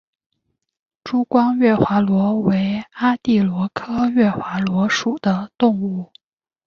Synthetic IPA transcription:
ʈ͡ʂu˥kwɑ˥ŋɥɛ˥˩xwa˧˥lwɔ˧˥we˧˥ɪa˥t̪i˥˩lwɔ˧˥kʰɤ˥ɥɛ˥˩xwa˧˥lwɔ˧˥ʂu˨˩d̪̥ə˦t̪ʊ˥˧ŋu˥˩

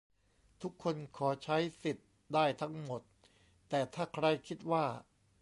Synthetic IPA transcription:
t̪ʰu˦˥kʰːo˧nkʰɔː˩˦t͡ɕʰa˦˥jsi˨˩t̪̚ | daː˥˩jt̪ʰa˦˥ŋmo˨˩t̪̚ | t̪ɛː˨˩t̪ʰaː˥˩kʰɾa˧jkʰi˦˥t̪̚waː˥˩

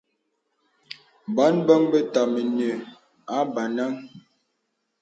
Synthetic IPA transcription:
ba˨˦nbə˦ŋbə˦ta˨mə˨nə˨ | a˨˦ba˨na˦ŋ

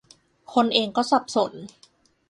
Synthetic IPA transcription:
kʰo˧nʔeː˧ŋkɔː˥˩sa˨˩p̚so˨˩˦n

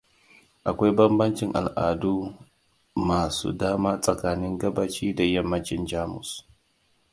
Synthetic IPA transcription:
ʔa˨kʷa˦jbɐ˦mbɐ˦nt͡ʃɪ˦ŋʔa̰˨lʔaː˨duː˦ | maː˨sṵː˦daː˦maː˦sʼɐ˨kaː˦nɪ˦ŋɡɐ˦baː˦t͡ʃiː˦da˨jɐ˦mːɐ˦nt͡ʃɪ˦nd͡ʒaː˦mʊ̰˨s

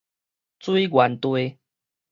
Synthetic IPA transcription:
t͡swi˦ɡwa˨˦nt̪we˦

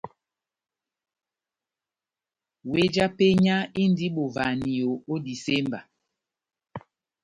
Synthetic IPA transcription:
we˦d͡ʒa˦pe˦ɲa˦i˦n˦di˦ɓo˨va˨ni˨o˨o˦di˨se˦mba˨

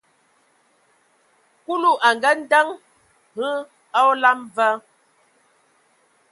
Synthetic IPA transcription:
ku˦lu˦ʔa˨ŋɡə˦n̩˦də˦ŋ | hə˦ | a˦la˦mvə˦

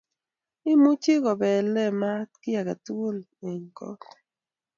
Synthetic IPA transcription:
ɪ˦mu˦t͡ʃɪ˦kɔ˨bɛ˨lɛ˦ma˦t̪kɪ˦ja˨ka˨t̪o˦l | e˨ŋkɔ̰˦t

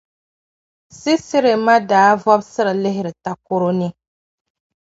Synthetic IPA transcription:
si˦sɪ˦ɾɪ˨ma˦daː˨˦vɔ˦bsɨ˦ɾɨ˨lɪ˦ɦɪ˦ɾɨ˨ta˦ko˦ɾo˦nɨ˦

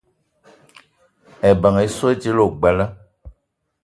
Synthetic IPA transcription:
ɛ˨ba˨ŋ˨i˨so˦e˦d͡ʒi˦lo˨ɡ͡bɛ˨lə˦

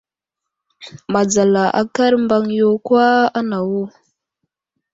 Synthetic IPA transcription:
ma˨d͡za˨la˨ʔa̰˦ka˦ɾmba˦ŋjo˦kwa˦a˦na˨wu˦

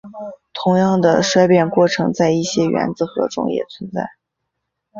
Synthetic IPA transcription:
t̪ʰʊ˧˥ŋjɑ˥˩ŋd̪ə˩ʂwa˥ɪpjɛ˥˧nkwɔ˥˩ʈ͡ʂʰɤ˧˥ŋt͡sa˥˧ɪi˥˩ɕjɛ˥ɥɛ̰˧˥nd͡zɹ̩˧xɤ̰˧˥ʈ͡ʂʊ̰˥ŋjɛ̰˨˩t͡sʰwə˧˥nt͡sa̰˥˩ɪ

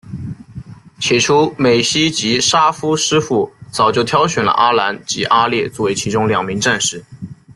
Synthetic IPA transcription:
t͡ɕʰjɛ˨˩ʈ͡ʂʰu˥me˨˩ɪɕi˥t͡ɕi˧˥ʂa˥fu˥ʂɻ̩˥fu˥˩t͡sɑ˨˩ʊt͡ɕjo˥˩ʊt̪ʰjɑ˥ʊɕɥɛ˨˩nlə̰˧ʔa˥la˧˥nt͡ɕi˧˥ʔa˥ljɛ˥˧t͡swɔ˥˩we˧˥ɪt͡ɕʰi˧˥ʈ͡ʂʊ˥ŋljɑ˨˩ŋmi˧˥ŋʈ͡ʂa˥˧nʂɻ̩˥˩

